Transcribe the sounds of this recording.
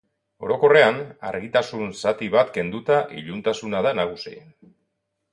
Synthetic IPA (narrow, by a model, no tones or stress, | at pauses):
o̞ɾo̞ko̞re̞ana̰ɾɣit̪asunsat̪iβat̪ke̞nd̪ut̪aʔḭʎunt̪asunaðanaɣ̞usin